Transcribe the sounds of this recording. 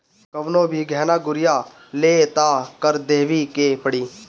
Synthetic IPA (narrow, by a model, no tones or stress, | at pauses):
kɐʋnõːbʱiɡʱɛːnaːɡʊɾɪjaː | leːt̪aːkəɾd̪eːʋikepəɽiː